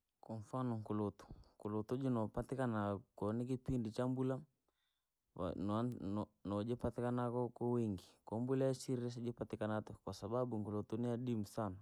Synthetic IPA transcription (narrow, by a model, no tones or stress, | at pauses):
kɔɱfanɔŋkulɔtɔ̥ŋkulɔtɔd͡ʒinɔpatikanakɔnik̬ipindit͡ʃambula | a̰n | nɔd͡ʒɛpatikanakɔkɔwiŋɡikɔmbulajasiɾiɾɛs̬d͡ʒipatikanatɔkwasababuŋkulɔtɔniaɗimusana